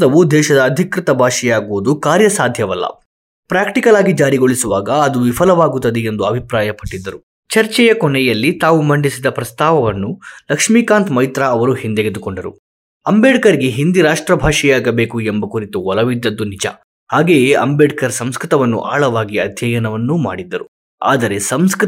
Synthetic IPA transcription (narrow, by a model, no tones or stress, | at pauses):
t̪ɐʋud̪ɛːʃɐd̪ɐːd̪ʱikɾit̪ɐbʱaːʂɛjaːɡuʋud̪ukaːɾjɐsaːd̪ʱjɐʋɐlːɐ̰ | pɾaːkʈikɐlaːɡid͡ʒaːɾiɡo̞ɭisuʋaːɡɐːd̪uʋipʰɐlɐʋaːɡut̪ːɐd̪eend̪uɐbʱipɾaːjɐpɐʈːid̪ːɐɾu | t͡ʃɐɾt͡ʃɛjɐkɔɳɛjɐlːit̪aːʋumɐɳɖisid̪ɐpɾɐst̪aːʋɐʋɐnːulɐkʂmiːkaːnt̪mɐjt̪ɾɐːʋɐɾuhind̪eɡed̪ukoɳɖɐɾṵ | ɐmbeːɖkɐɾiɡe̞ɦind̪iɾaːʂʈɾɐbʱaːʂɛjaːɡɐbe̞ːkuembɐkuɾit̪uɔlɐʋid̪ːɐd̪ːunid͡ʒɐ̰ | haːɡeːjeʔɐmbeːɖkɐɾsɐmskɾit̪ɐʋɐnːṵʔa̰ːɭɐʋaːɡiɐd̪ʱjɐjɐnɐʋɐnːuma̰ːɽid̪ːɐɾu | a̰ːd̪ɐɾe̞sɐmsk